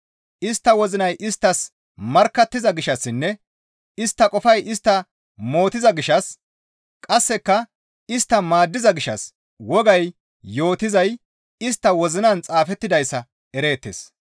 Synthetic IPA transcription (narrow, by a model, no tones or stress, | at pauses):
ʔɪst̪ːɐwɔzɪnɐjʔɪst̪ːɐs | mɐɾkːɐt̪ːɪzɐɡɪʃɐsːɪnːɛ | ɪst̪ːɐkʼɔfɐjʔɪst̪ːɐ | mo̞ːt̪ɪzɐɡɪʃɐs | kʼɐsːɛkːɐ | ɪst̪ːɐmaːd̪ːɪzɐɡɪʃɐ̰s | wɔɡɐj | jo̞ːt̪ɪzɐj | ɪst̪ːɐwɔzɪnɐnt͡sʼaːfɛt̪ːɪd̪ɐjsːɐ | ɛɾe̞ːt̪ːḛs